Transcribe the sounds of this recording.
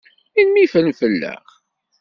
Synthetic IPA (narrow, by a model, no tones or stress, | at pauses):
inmifəlmfəlːə̰χ